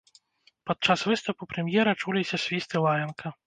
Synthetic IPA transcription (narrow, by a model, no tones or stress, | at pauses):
pat̪̚t͡ʂasvɨst̪ɐpupɾɛmʲjɛɾɐt͡ʂulʲisʲɐsʲvʲist̪ɨlˠajʲɐnkʰɐ